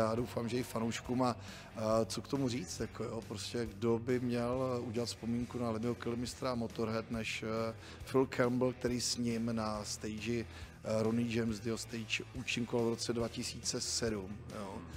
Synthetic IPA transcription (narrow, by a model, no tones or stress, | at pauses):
jaːdo̞wfaːmʒɛɪfanowʃkuma | t͡sokt̪o̞muriːt͡st̪jakʰo̞jo̞pɾoscɛɡdo̞bɪmɲɛluɟɛlat̪fspo̞miːŋkunalɪmɪɦokɪlɪmɪst̪ɾamo̞t̪o̞ɾɦɛt̪nɛʃ | fɪlkʰɛlmbl̩k̚t̪ɛɾiːsɲɪmnast̪ɛjd͡ʒɪ | ɾonɪd͡ʒɛjmsd̪ɪɦost̪ejt͡ʃuːt͡ʃɪŋkoalvɾo̞t͡sɛdvacɪsiːt͡sɛsɛdumjo